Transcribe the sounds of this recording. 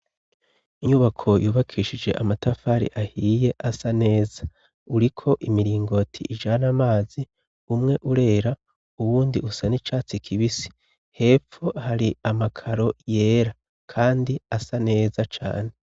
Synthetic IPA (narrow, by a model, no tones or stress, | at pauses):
iɲuːβakʰo̞juːβakʰiːʃid͡ʒe̞̰ʔamatafaɾḭʔahiːje̞ʔasane̞ːza | uɾikʰo̞ʔimiɾiːŋɡo̞tʰḭʔiʒaːnamaːzi | umŋe̞ʔuɾe̞ːɾa | uwuːndiʔusanit͡ʃaːt͡sikʰiβisi̥ | he̞ːfo̞haɾiamakʰaɾo̞je̞ːɾa | kʰaːndiasane̞ːzat͡ʃa̰ːne̞